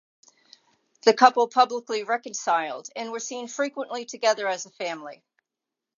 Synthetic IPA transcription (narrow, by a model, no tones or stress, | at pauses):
ðɨkʰʌpl̩ˠpʰʌbləkliɹɛkɨ̃nsaɪlˠdɨ̃nwə˞sĩnfɹikwə̃nʔlitʰɨɡɛðə˞ɨzəfæ̃mli